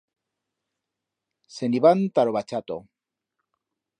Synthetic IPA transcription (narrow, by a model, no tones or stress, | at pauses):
seniβant̪aɾoβat͡ʃat̪o̰